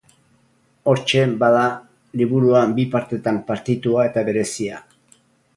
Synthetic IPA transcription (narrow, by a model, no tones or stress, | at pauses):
o̞ɾt͡ʃe̞baða | liβuɾuambipaɾt̪e̞t̪ampaɾt̪it̪uae̞t̪aβe̞ɾe̞sia